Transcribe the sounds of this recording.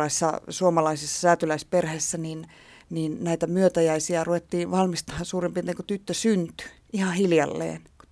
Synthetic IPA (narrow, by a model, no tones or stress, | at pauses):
ɑisːɑ̰suomɑlɑisesːɑ̥sæːt̪ylæisperhesːænin | niːnnæit̪æmyøt̪æjæisiɑruʋet̪ːiːʋɑlmist̪ɑhɑsuːrempiet̪ːeŋkut̪yt̪ːøsynt̪y̥ | ihɑhiljɑ̰lːḛːnk